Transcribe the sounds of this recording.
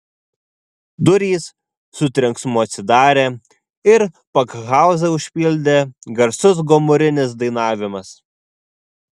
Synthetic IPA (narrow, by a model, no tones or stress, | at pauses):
d̪ʊɾʲiːsː | ʊt̪ʲɾʲɪŋksmʊɐt̪ʲsʲɪd̪ɑːɾʲeː | ɪɾ | pɐkɣɑˑʊzɐʊʃʲpʲɪlʲd̪ʲeɡɐɾsʊs̬ɡɔmʊɾʲɪnʲɪsd̪ɐɪnɑːʋʲɪmɐs